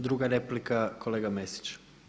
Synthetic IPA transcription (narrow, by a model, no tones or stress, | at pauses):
d̪ɾuɡaɾeplikako̞leɡamesi̥t͡ʃ